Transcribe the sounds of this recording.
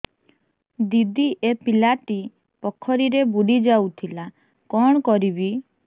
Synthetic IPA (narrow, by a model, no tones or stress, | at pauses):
d̪id̪iʔepilaʈi | pɔkʰːɔɾiɾebuɽid͡ʒawt̪ʰila | kɔɽ̃ɔkɔɾibi